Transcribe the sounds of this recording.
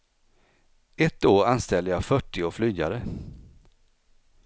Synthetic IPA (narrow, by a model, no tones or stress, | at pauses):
ɛt̪ːoːɾanst̪ɛld̪əjɑfœʈːɪoːflyːɡa̰ɾə